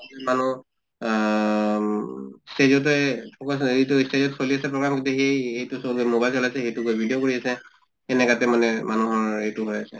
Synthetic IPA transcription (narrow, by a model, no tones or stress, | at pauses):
manu | stezɔt̬ɛɔkɔszitustezɔtsoliasɛpɹɔɡɹamkĩntuxejejtusolmobajlsɔlajsɛxejtukojbʱidijokoɹiasɛ | ɛnɛkatɛmanɛmanuɦɔɹejtʊɦojasɛ